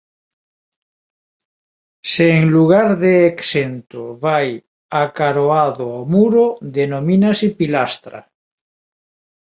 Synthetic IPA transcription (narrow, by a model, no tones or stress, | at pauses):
seːŋluɣaɾðeːksent̪oβaj | akaɾoaðoɔmuɾoðenominasipilast̪ɾa̰